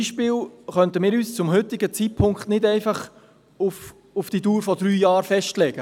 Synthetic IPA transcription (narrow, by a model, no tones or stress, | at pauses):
iʃpɪːlχœnt̪əmɪːɾyːst͡sʊmhʏtɪɡət͡siːt̚pʰʊŋkχtnɪdɛɪfɑχ | uf | ufd̥ituːɾfɔd̥ɾyːjɑːɾfɛʃtlɛɡ̥ə